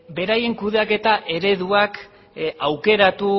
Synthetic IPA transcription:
be̞ɾaje̞ŋkuðeake̞t̪aʔe̞ɾe̞ðuak | awke̞ɾat̪u

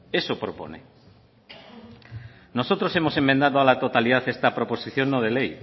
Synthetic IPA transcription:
esopɾopo̰nḛ | nosot̪ɾosemosemːẽnd̪aðoalat̪ot̪aliðaθest̪ɐpɾoposiθjonːoðelej

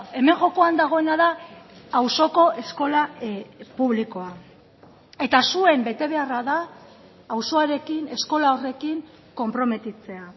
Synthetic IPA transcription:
e̞me̞ŋʝo̞ko̞and̪aɣ̞o̞e̞naðaː | wso̞ko̞ʔe̞sko̞lapuβ̞liko̞a | e̞t̪asue̞mbe̞t̪e̞β̞e̞araðaː | wso̞aɾe̞kine̞sko̞lao̞re̞kiŋ | ko̞mpɾo̞me̞t̪it͡se̞a

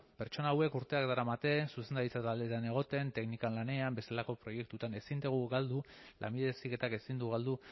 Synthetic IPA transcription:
pe̞ɾt͡ʃo̞naːwe̞kuɾt̪e̞akd̪aɾamat̪e̞suse̞nd̪aɾit͡sat̪ald̪e̞t̪ane̞ɣ̞o̞t̪e̞nt̪e̞knikanlane̞ambe̞st̪elako̞pɾo̞je̞k̚t̪ut̪ane̞sind̪eɣ̞uɣald̪ulʔa̰mbiðesike̞t̪ake̞sind̪uɣald̪u

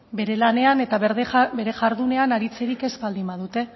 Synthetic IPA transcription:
be̞ɾe̞lane̞ane̞t̪abe̞ɾe̞ʝaɾðune̞anaɾit͡se̞ɾike̞zbald̪imbað̞ut̪e̞

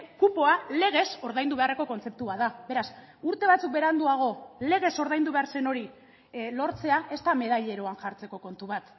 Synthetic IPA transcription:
kupo̞ale̞ɣ̞e̞so̞ɾðajnd̪uβe̞are̞ko̞ko̞nt͡se̞p̚t̪uβaðabe̞ɾas | uɾt̪e̞βat͡suk̚be̞ɾand̪uaɣ̞o̞le̞ɣ̞e̞so̞ɾðajnd̪uβeaɾse̞no̞ɾi | lo̞ɾt͡se̞ae̞st̪ame̞ð̞ajʎe̞ɾoanʝaɾt͡se̞ko̞ko̞nt̪uβat̪

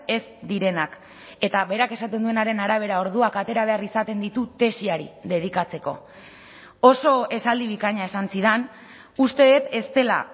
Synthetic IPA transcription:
e̞sd̪iɾe̞nak | e̞t̪aβe̞ɾake̞sat̪e̞nd̪ue̞naɾe̞naɾaβ̞e̞ɾao̞ɾð̞uakat̪e̞ɾaβ̞e̞arisat̪e̞nd̪it̪ut̪e̞siaɾḭðe̞ð̞ikat͡se̞ko̞ | o̞so̞e̞sald̪iβ̞ikaɲae̞sansiðan | ust̪e̞ðet̪e̞st̪e̞la̰

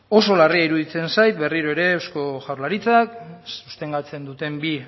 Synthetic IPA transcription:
o̞so̞lariaiɾuðit͡se̞nsajt̪be̞riɾoeɾe̞ːwsko̞ʝawɾlaɾit͡saksust̪e̞ŋɡat͡se̞nd̪ut̪e̞mbi

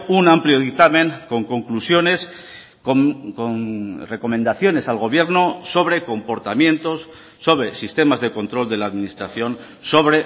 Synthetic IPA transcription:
unampljo̞ðik̚t̪amẽ̞ŋko̞ŋko̞ŋklusjo̞ne̞s | okoŋre̞ko̞mẽnd̪aθjo̞ne̞salɣ̞o̞β̞je̞ɾnoso̞β̞ɾe̞ko̞mpo̞ɾt̪amjẽ̞nt̪o̞sː | o̞βɾe̞sist̪e̞mazðe̞ko̞nt̪ɾo̞ld̪e̞laðminist̪ɾaθjo̞n | so̞βɾe

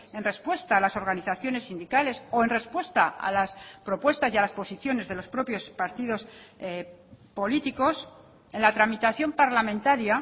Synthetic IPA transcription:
e̞nre̞spwe̞st̪aːlaso̞ɾɣaniθaθjo̞ne̞sːind̪ikale̞so̞e̞nre̞spwe̞st̪aa̰laspɾo̞pwe̞st̪asjialaspo̞siθjo̞ne̞zðe̞lo̞spɾo̞pjo̞spaɾt̪iðo̞s | po̞lit̪iko̞s | enlat̪ɾamit̪aθjo̞mpaɾlamẽnt̪aɾja

